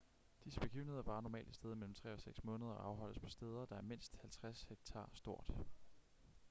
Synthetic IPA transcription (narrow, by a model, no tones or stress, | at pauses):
d̥isəb̥e̝ɡ̥ḭːʊnhe̝ðˠɐʋɑ̈ːnɒmɛ̰ːld̥isd̥eð̞ˠmel̰m̩t͡sʰʁɛ̰ːɒ̽seɡ̥smɔ̽ːnəð̞ˠɐɒ̽ɑ̈ʊɦɒ̽l̰əspʰɒ̽sd̥eːð̞ˠɐd̥ɑ̈æɐme̝n̰sd̥hælt͡sʰʁasheɡ̥t͡sʰɑ̰̈ːsd̥o̝ɐ̰d̥